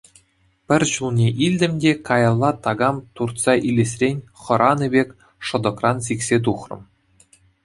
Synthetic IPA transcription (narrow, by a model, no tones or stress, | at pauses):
pʲɘ̆rʲɕulˠnʲeʔilʲdʲɘ̆mʲdʲekɑjɑlˠːɑt̪ɑɡɑmt̪urt̪sɑʔilʲesʲrʲenʲχɤ̆ɾʔɑnɯbʲekʲ | ʂɤ̆d̪ɤ̆krɑns̬iksʲet̪̬uχrɤ̰̆m